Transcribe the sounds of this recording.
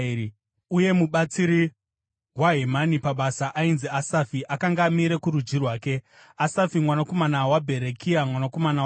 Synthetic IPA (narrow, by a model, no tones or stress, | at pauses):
uje̞muɓat͡siɾi | waɦemanipaɓasaʔainziasafiʔakaŋɡaːmiɾekuɾud͡ʒirwaːke̞ | asafimwanako̞manawabʱe̞ɾekʰiamwanako̞mana